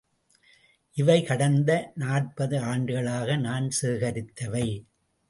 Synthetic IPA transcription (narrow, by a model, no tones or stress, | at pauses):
ʔɪʋɐɪkɐɽɐnd̪ɐnaːrpɐðɯaːɳɖɯɣɐɭaːɣɐnaːnseːɣɐɾɪt̪ːɐʋɐɪ